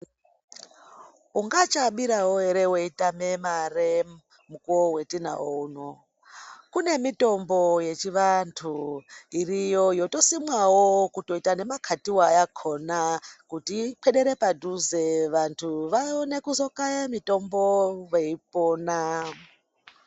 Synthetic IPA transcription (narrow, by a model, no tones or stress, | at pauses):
uŋɡat͡ʃaɓiɾawoɦe̞ɾe̞weitamemare | mukuwowe̞tina̰wouno | kune̞mito̞mbo̞je̞t͡ʃiʋantʰuirijojo̞to̞simwawokuto̞itane̞makʰatiwajakʰo̞nakutipʰeɗe̞ɾe̞padʱuze̞ʋantʰuʋaone̞kuzo̞kajamito̞mbo̞ʋeipoːna